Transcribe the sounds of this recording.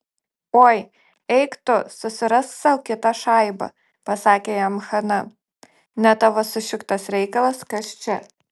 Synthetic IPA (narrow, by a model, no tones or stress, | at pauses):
oːj | ɛɪkt̪ʊsʊsʲɪɾɐssɐʊkʲɪt̪ɑʃɑˑɪbɐ̰ | pɐsɑːkʲeːjɛmxɐnɐ | nʲɛt̪ɐʋosʊʃʲɪkt̪ɐsɾʲɛɪkɐlˠɐskɐst͡ʃʲɛ